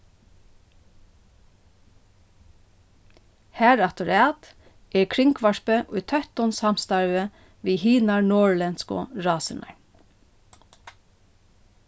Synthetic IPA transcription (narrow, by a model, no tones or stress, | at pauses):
hæːɹɑt̪ʊɹɑːt̪ | ʔeːkʰɹɪŋkʰʋɑʃpəʔʉːt̪ʰœt̪ɔnshɑmst̪ɑɹʋə | ʋiːhiːnɑɹɳoːɹlɛnskʊ̰ɹɑːsənʔɑ̰ɹ